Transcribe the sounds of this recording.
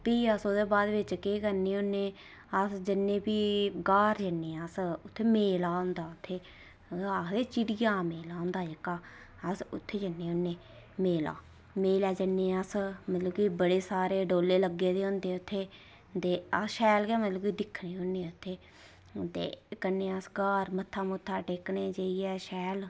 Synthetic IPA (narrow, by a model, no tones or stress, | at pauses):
piːəsod̪eːbaːd̪ʋɪt͡ʃkeːkəɾniːʊnːeː | əsd͡ʒɪnːẽːpiːɡaːɾd͡ʒənːeːəsʊt̪ʰːeːmeːlaːʊ̃nd̪aːʊt̪ʰːeː | ad̪eːt͡ʃɪɽɪjaːmeːlaːʊ̃nd̪aːd͡ʒɪkːaː | əsʊ̰t̪ʰːeːd͡ʒənːeːʊnːeː | meːla̰ː | meːlɛːd͡ʒənːeːəsmət̪ləbkiːbəɽeːsaːɾeːɖoːlːeːləɡeːd̪eːõnd̪eːʊt̪ʰːeː | t̪eːəʃɛːlkɛːmət̪ləbkiːd̪ɪkʰneːɦʊnːeːʊt̪ʰːeː | t̪ḛːkənːeːəsɡaːɾmət̪ʰːaːmʊt̪ʰːaːʈeːkneːd͡ʒəiːɛːʃɛːl